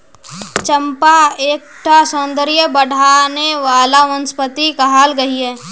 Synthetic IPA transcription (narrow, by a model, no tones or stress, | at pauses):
t͡ʃəmpaeːk̚ʈʰasə̃nd̪əɾijəbəɽ̤ʱaːneʋaːlaʋə̃nspət̪ikɐɦaːlɡɐɦiɦɛː